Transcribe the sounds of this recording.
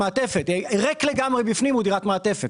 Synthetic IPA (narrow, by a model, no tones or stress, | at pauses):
aːtefet̪ʁekleɡamʁebifnimodiʁatmaːtefet